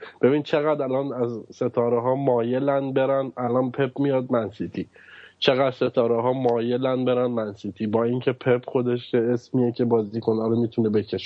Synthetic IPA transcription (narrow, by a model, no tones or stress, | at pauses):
b̥e̞bind̪̚t͡ʃʰe̞ɣæd̪ælɒnæzse̞t̪ʰɒːɾeɦɒːmɒːje̞lænbeɾænʔælɒnpʰep̚ʰmijɒːd̪̚mænsit̪ʰiː | t͡ʃʰe̞ɣæd̪se̞t̪ʰɒːɾeɦɒːmɒːje̞lænbe̞ɾænmænsiːt̪ʰiːbɒːincʰe̞pʰepʰχo̞d̪eʃeesmijecʰe̞bɒːziːkʰonɒɾɔmiːt̪ʰunebe̞cʰeʃ